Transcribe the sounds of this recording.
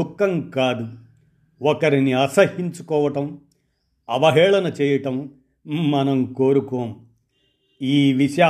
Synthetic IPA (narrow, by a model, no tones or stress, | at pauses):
ukːɐmkaːd̪u | ɔkɐɾiniɐsɐhiɲt͡ʃu̥kɔːʋɐʈɐm | ɐʋɐɦɛːɭɐnɐt͡ʃɛːjɐʈɐmː | ɐnɐmkoːɾukoːm | iːʋiʃɐjaː